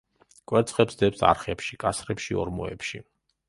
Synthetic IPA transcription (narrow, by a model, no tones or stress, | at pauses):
kʼwɛɾt̪sʰχɛpsd̪ɛpsa̰ɾχɛpʃikʼasɾɛpʃiɔ̰ɾmɔɛ̰pʃi